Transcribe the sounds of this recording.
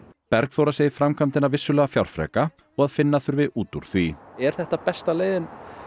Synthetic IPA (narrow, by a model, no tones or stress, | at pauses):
pɛɾkθowɾaseːjðɪfɾamkʰamt̪ɪnavɪsːʏlɛːɣafjawɾ̥fɾɛ̰ːka | ɔɣaðfɪnːaθʏɾvɪðuːt̪uɾ̥θviɛɾ̥θɛht̪apɛst̪aleːjðɪn